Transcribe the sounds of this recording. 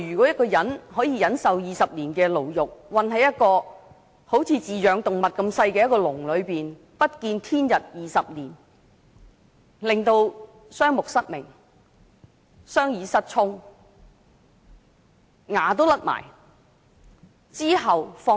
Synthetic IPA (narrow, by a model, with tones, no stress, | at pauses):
jyː˨˩kʷwɔ˨˥jɐ˥t̚kɔː˧jɐ˨˥nhɔː˨˥jiː˧jɐ˨˥nsɐ˨wjiː˨˩sɐ˨p̚niː˨˩nkɛː˧lo˨˩wjʊ˨k̚wɐ˨nhɐ˨jːɐ˥t̚kɔː˧ | ho˨˥wt͡sʰiː˨˧t͡siː˨jœː˨˧ŋt̪ʊ˨ŋmɐ˨t̚kɐ˧msɐ˧jkɛː˧jɐ˥tkɔː˧lʊ˨˩ŋlɵ˨˧ɥpiː˨n | pɐ˥t̚kiː˧nt̪ʰiː˥njɐ˨t̚jiː˨sɐ˨p̚niː˨˩n | lɪ˨ŋt̪o˧w | sœː˥ŋmʊ˨k̚sɐ˥t̚mɪ̰˨˩ŋ | sœː˥ŋjiː˨˧sɐ˥t̚t͡sʰʊ˥ŋ | ŋaː˨˩t̪o˥wlɐ˥t̚ma̰ː˨˩j | t͡siː˥ɦɐ˨wfɔː˧